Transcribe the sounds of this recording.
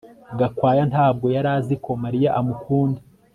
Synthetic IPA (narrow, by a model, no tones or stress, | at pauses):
ɡakwaːjantaːb̚ɡo̞jaɾaziko̞maɾijaʔamukʰuːnde